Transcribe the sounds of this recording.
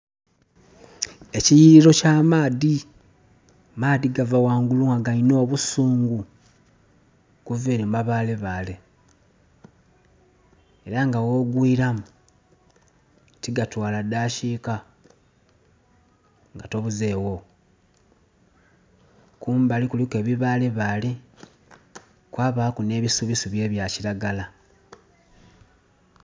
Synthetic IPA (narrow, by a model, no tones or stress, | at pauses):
ecijiiɾo̞camaːði | maːdiɡavawaːŋɡuluŋaɡaino̞ːβusuːŋɡu | kuveːɾemaβaːle̞βale̞ | e̞ɾaŋɡawo̞ːɡwiːɾamu | tiɡatwaːladaːʃiːka | ŋɡato̞βuze̞ːwo̞ | kuːmbalikulike̞ːβiβaːleβali | kwaːβakune̞ːβisuβisuβje̞ːβjaːciɾaɡala